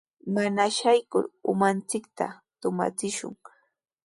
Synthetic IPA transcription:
manaʃajkʊ̰ɾʊmant͡sɪkt̪at̪ʊma̰t͡sɪʃʊ̰ŋ

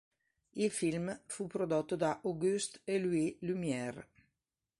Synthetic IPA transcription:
ilfilmfupɾod̪ot̪ːod̪aʔoɡyst̪eluilymjɛr

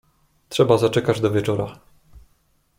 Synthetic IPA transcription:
tʂɛbazat͡ʂɛkad͡ʑd̪ɔvʲjɛt͡ʂɔɾa̰

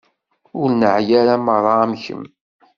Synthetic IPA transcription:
ʊɾnəʕjaɾaməɾˤɑmçə̰m

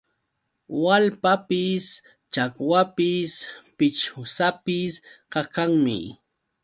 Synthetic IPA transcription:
walpapɪs | t͡ʃakwapɪspɪt͡ʃʊsapɪsɢɑkaŋmɪ̰

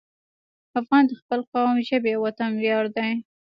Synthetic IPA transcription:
afɣɑnd̪əxpəlqɑwmʒəbewat̪anwjɑɾd̪aj

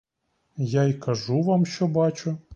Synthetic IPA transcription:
jajkɐʒuʋɑmʃt͡ʃɔbɑt͡ʃʊ

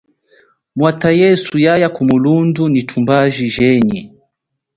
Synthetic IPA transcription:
mwatajɛsujajakumulundunitʰumbaʒiʒɛɲi

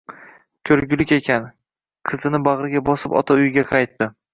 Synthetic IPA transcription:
kʲʰɵɾɡʲɪlɪkʲe̞kʲʰan | qʰɨzɪnɪbaʁɾɪɡʲabɒsɪpɒ̰t̪ʰaʊjɡʲaqʰɑjt̪ːɪ

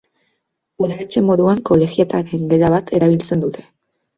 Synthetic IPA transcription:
uðale̞t͡ʃe̞mo̞ðuaŋko̞le̞ɣiet̪aɾe̞ŋɡe̞ɾaβat̪ʰe̞ɾaβ̞ilt͡se̞nd̪ut̪ʰe̞̥

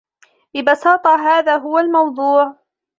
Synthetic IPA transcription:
lɪbɑsɑːt̪ˤɑɦaːðaːɦʊwalmɑwd̪ˤuːʕ

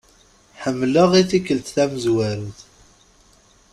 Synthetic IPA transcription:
ħəmːləʁiθikəlt̪θæməzwæɾəθ

